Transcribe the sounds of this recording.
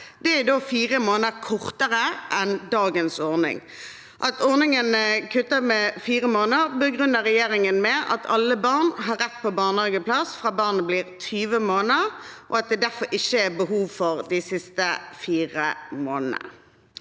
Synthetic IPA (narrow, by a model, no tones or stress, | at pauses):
d̪̥ɛæd̪oːfiːʁəmoːnəʁkʰɔʁt̪əʁəʔɛnd̪ɑːɡənsɔʁnɪ̰ŋ | ʔɑt̪ʰɔʁnɪŋənəkʰʉt̪ːəmɛfiːʁəmoːnəʁbəɡʁʉnːəʁɛjeːɾɪŋənmɛʔɑt̪ʰɑlːəbɑːʁnɦɑɾɛt̪ːpʰɔbɑːʁnɑːɡəpʰlɑsfʁɑːbɑːʁnəbliːʁt̪ʰyːʋəmoːnəʁʔɔɑt̪̚d̪ɛd̪æʁfɔɾʔɪçːəæbəɦuːʋfɔʁd̪ɪsɪst̪əfiːʁə̰moːnənə̰